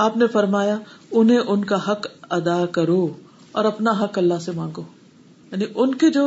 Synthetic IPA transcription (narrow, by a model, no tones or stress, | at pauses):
aːpnefɐɾmaːjaʊnɦẽʔʊnkaɦɐkɐd̪akɐɾoː | ɔ̰ːɾɐpnaɦɐkɐlːasemãːŋɡoː | jaːniʔʊnked͡ʒoː